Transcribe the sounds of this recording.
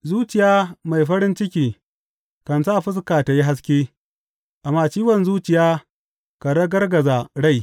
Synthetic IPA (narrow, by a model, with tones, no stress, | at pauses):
zuː˦t͡ʃɪ˨jaː˦ma˨jɸɐ˦ɾɪ˦nt͡ʃɪ˦kʲiː˨ | kɐ˨nsaː˦˨ɸɪ˦s̬kaː˨ta˨ji˦ɦa˦s̬kʲeː˦ | ʔa˨mːaː˨t͡ʃiː˦wɐ˨nzuː˦t͡ʃɪ˨jaː˦ | ka˨dɐ˦ɡɐ˦rɡɐ˨za˨ɽa˦˨j